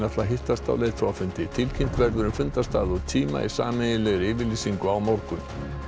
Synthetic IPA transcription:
nat̪laɦɪht̪ast̪a̰wleːɣθʰɔwafʏnt̪ɪt̪ʰɪlcʰɪjm̥t̪vɛɾðʏɾʏmfʏnt̪ast̪aːðɔt̪ʰiːma̰ḭsa̰ːmɛjɪlɛɣɾɪvɪliːsiŋkʏawmawɾkʏm

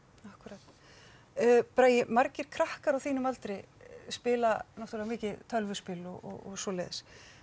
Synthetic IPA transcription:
ahkʏɾaːt̪ː | pɾaːjɪmaɾcɪɾ̥kʰɾahkaɾawθiːnʏmalt̪ɾɪspɪːlanawht̪ulɛvamɪːcɪt̪ʰœlvʏspɪlɔɔ̰ɔ̰ɣsɔlḛːðɪs

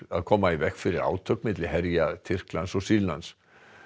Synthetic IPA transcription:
aðkʰɔːmaivɛhkfɪɾɪɾa̰ːwt̪ʰœkmɪt̪̬lɪɦɛɾjat̪ʰɪr̥klansɔsiːlna̰ns

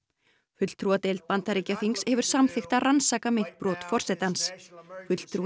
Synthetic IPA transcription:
fʏt̪l̥t̪ʰɾuat̪ejlt̪̚pant̪aɾiːcafiŋkshɛvʏɾ̥samθɪxt̪aransaːkamejn̥t̪̚pɾɔːt̪fɔr̥sɛt̪ansfʏt̪l̥t̪ʰɾu

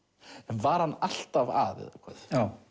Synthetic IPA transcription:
ɛnvaɾ̥hanːal̥t̪ava̰ːðɪ̰ðɔkʰvɛ̰θjaːw

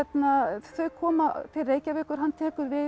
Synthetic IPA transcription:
ɛt̪naθœɥkʰɔːmafɪrːeːjcavɛːhkʏɾ̥ɦanːt̪ʰɛːkʏɾvɪ

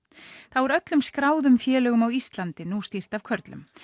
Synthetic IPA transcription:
θavɔɾœt̪lʏmskɾaːwðʏmfjɛːlœːɣʏmawist̪lant̪ɪnust̪ir̥t̪avkʰœɾt̪lʏ̰m

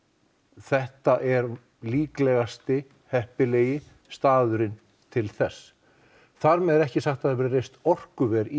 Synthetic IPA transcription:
θɛht̪aʔɛɾ | liːklɛɣast̪ɪ | hɛhpɪleːjɪ | st̪aːðʏɾɪn | t̪ʰɪlθɛsː | θaɾmɛðɛɾɛhcɪsaxt̪aðavɛɾɪrejst̪ɔr̥kʏvɛːɾi

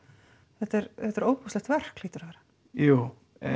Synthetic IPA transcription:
θɛht̪ɛɾθɛt̪ɛɾoːwpuslɛxt̪vɛr̥kliːt̪ʏɾ̥ðɛːɾa | juː | ɛ

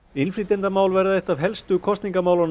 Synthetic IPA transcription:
ɪnfɾit̪ɛnt̪amaːwlvɛɾðaðeht̪avɦɛlst̪ʏkʰɔst̪niŋkamaːwlɔn

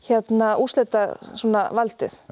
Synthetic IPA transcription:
çɛt̪nauslet̪asuːna̰valt̪ɪθ

